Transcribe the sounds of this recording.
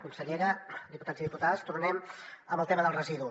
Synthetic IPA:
kunsəʎeɾəd̪iput̪aziðiput̪aðəst̪uɾnɛməmbəlˠt̪eməðəlˠrəziðu

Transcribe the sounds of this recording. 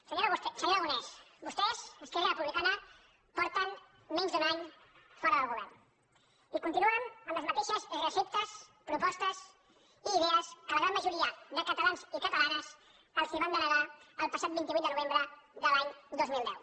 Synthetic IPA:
səɲoɾβst̪səɲoɾəɣunɛsbust̪ɛzəskɛrərəpuβlikanə | pɔɾt̪ən | mɛnzðunaɲ | fɔɾəðəlˠɣuβ̞ɛ̰ɾn | ikunt̪inuəməmləzmət̪eʃəzərəsep̚t̪əspɾupɔst̪əz | iːðɛəskələɣɾammːəʒuɾiəðəkət̪alanzikət̪əlanəs | əlˠskiβand̪ənəðaəlˠpəsat̪̚bint̪iβuit̪d̪ənuβembɾəðəlaɲd̪ozmilˠd̪ɛw

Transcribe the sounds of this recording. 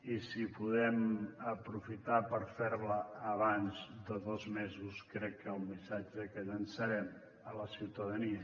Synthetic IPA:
isipuðɛməpɾufit̪apəɾfɛɾβləːβanzd̪əðɔzmɛzuskɾɛkːəəlˠmisad͡ʒəkəðənsəɾɛm | ələsiwt̪əðəni

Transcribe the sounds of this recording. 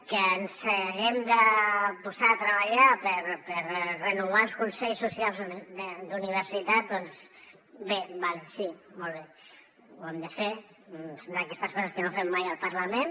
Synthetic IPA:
kənzəɣɛmd̪əpuzaːt̪ɾəβəʎapəɾpəɾrənuβalˠskunsɛʎsːusialˠzd̪əd̪uniβ̞əɾsit̪at̪̚d̪ɔns | bebalsimolˠβe | wɛmd̪əfe | snd̪akɛst̪əskɔsəskənofɛmːajəlˠpəɾləmen

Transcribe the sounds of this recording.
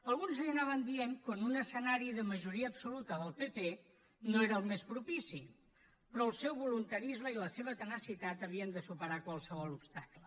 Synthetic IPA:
əlˠɣunzliənaβ̞ənd̪ienkonunəsənaɾiðəməʒuɾiəːpsulut̪əðəlˠpepe | noeɾəːlˠmespɾupisi | pɾɔəlˠsɛwβulunt̪əɾizməiləseβ̞ət̪ənəsit̪at̪əβiənd̪əsupəɾakwalˠsəβ̞ɔlˠupst̪aklə

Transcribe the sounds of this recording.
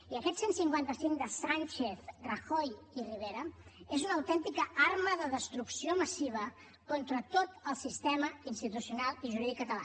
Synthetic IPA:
iəkɛt̪sensiŋkwant̪əsiŋd̪əsanʲt͡ʃeθrəxoj | iriβ̞eɾəezunəwt̪ɛnt̪ikəaɾməðəðəst̪ɾuksioməsiβ̞ə | kɔnt̪ɾət̪ot̪əlˠsist̪ɛməinst̪it̪usiunalˠiʒuɾiðikːət̪əla̰

